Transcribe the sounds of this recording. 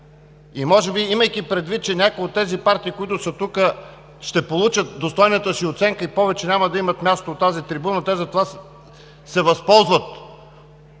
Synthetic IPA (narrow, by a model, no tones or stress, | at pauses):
imɔʒɛbiiməjkipɾɛd̪vit̪̚t͡ʃɛnʲakojot̪ːɛzipaɾt̪iːkoit̪ʊsət̪ukə | ʃt̪ɛpolˠut͡ʃət̪̚d̪ost̪ɔjnət̪əsiot̪sɛŋkəipɔvɛt͡ʃɛnʲaməd̪ɐimɐt̪mʲjast̪oːt̪ːazit̪ɾibunət̪ɛzɐt̪ova | sɛvɐspɔlˠzvət̪